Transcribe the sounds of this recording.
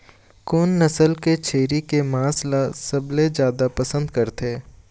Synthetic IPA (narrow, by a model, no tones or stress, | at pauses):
kʊnːɐsəlket͡ʃʰeːɾikemãːslasɐbled͡ʒjaːd̪apɐsə̃nd̪kɐɾt̪eː